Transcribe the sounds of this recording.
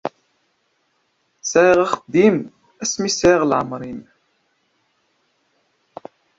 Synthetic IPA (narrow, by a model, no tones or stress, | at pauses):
saʕiʁɑχəd̪im | æsmisʕiʁlʕə̰mɾˤin